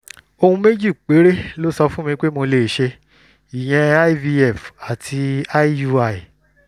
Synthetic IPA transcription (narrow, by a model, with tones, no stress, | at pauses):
o˧hũ˧me˦d͡ʒi˦˨k͡pe˨˦ɾe˦lo˦sɔ˧fũ˦mĩ˧k͡pe˦mo˧le˨ʃe˧ | i˨j̃ɛ̃˧a˦vi˧ɛ˦˨fa˨tʰi˧a˦i˦u˧a˧˨